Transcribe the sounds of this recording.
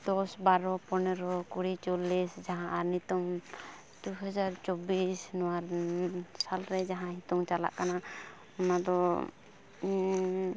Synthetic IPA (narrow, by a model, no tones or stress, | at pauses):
d̪̥ɔsbaɾɔpɔnɛɾɔkuɽit͡ʃɔlisd͡ʒaɦãʔaɾnit̪um | d̪̥uɦɔd͡ʒaɾt͡ʃɔbisnɔwaɾ | salɾɛd͡ʒaɦãnit̪umt͡ʃala̰ʔkana | ɔnad̪ɔ